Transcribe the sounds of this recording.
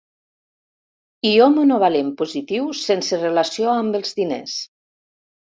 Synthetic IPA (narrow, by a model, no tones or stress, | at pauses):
iomonoβalempuzit̪iwsenserelasioambəlˠzðinḛs